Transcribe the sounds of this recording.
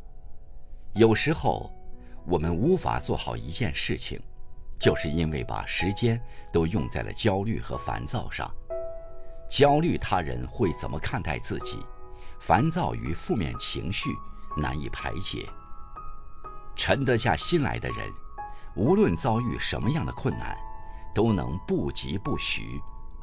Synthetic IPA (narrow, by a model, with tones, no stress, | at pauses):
jo˨˩ʊʂɻ̩˧˥xo̰˥˧˩ʊwɔ˨˩mə˦nu˧˥fa̰˨˩t͡swɔ˥˩xɑ˨˩ʊi˧˥t͡ɕjɛ̰˥˧nʂɻ̩˥˩t͡ɕʰḭ˨˩ŋt͡ɕjo˥˧ʊʂɻ̩˥˩i˥nwe˥˩ɪpa̰˨˩ʂɻ̩˧˥t͡ɕjɛ˥nt̪o˥ʊjʊ˥˧ŋt͡sa˥˩ɪlʔə̰˩t͡ɕjɑ˥ʊly̰˥˩xɤ̰˧˥fa̰˧˥nt͡sɑ˥˧ʊʂɑ̰˥˩ŋ | t͡ɕjɑ˥ʊly˥˩t̪ʰa˥ɻə̰˧˥nxwe˥˩ɪt͡sə̰˨˩nmʔə˦kʰa˥˧nt̪a˥˧ɪt͡sɹ̩˥˩t͡ɕḭ˨˩˦fa˧˥nt͡sɑ˥˧ʊy̰˧˥fu˥˧mjɛ̰˥˩nt͡ɕʰḭ˧˥ŋɕy̰˥˩na̰˧˥nḭ˥˩pʰa˧˥ɪt͡ɕjɛ̰˨˧˩ | ʈ͡ʂʰə˧˥nt̪ɤ˧˥ɕja̰˥˩ɕi˥nla̰˧˥ɪd̪ə̰˧ɻə̰˧˥nu˧˥lwə˥˩nt͡sɑ˥ʊy˥˩ʂə̰˧˥nmə˧jɑ˥˩ŋd̪ə˩kʰwə˥˧nna̰˥˩nt̪o˥ʊnɤ̰˧˥ŋpu˥˩t͡ɕi˧˥pu˥˩ɕy̰˧˥